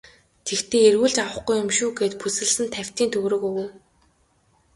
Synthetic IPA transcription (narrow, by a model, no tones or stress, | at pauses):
t̪ʰekt̪ʰeːerwuːɮt͡ɕawə̆χɡujːʊmʃuːɡeːt̪pusɘ̆ɮsɘ̆nt̪ʰæw̥ʲt̪iːnt̪ʰɵɣɾɵ̆kɵɣwuː